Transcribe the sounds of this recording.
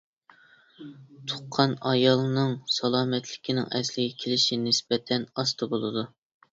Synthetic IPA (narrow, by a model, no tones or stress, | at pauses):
t̪ʰʊ̥qqʰːɑnɑjɑlˠnɨŋsɑlˠɑːmɛt̪ʰlɪ̥kʲʰinɪ̰ŋɛslɪɡʲɛkʲʰelɪʃinɪsbɛt̪ʰɛnɑst̪ʰɨbolˠɨd̪u